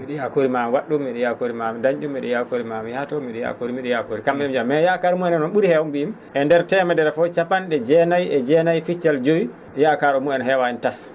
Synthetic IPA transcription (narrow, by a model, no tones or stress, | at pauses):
miɗɛjakoɾimamwaɗːumːiɗɛjakoɾimamɛdaɲd͡ʒumːɛɗɛjakoɾimamihatɔmiɗɛja̰koɾimiɗɛjakoɾikamːɛɛmd͡ʒamːɛjakaɾumuɛnɛnɔnɓuɾihɛwumbiim | ʔɛndɛɾtɛmadɛɾfɔt͡ʃapanɗɛd͡ʒɛnajɛd͡ʒɛnajfit͡ʃːald͡ʒowi | jakaɾɔmuɛnɦɛwaɛntas